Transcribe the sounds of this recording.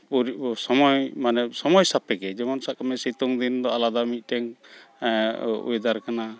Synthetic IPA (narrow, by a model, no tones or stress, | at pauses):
uɾisɔmɔjmanɛsɔmɔjsapɛkɛd͡ʒɛmɔnsaʔkamɛsit̪ɔŋd̪ind̪ɔalad̪amit̪̚ˀʈɛŋ | ṵjd̪aɾkana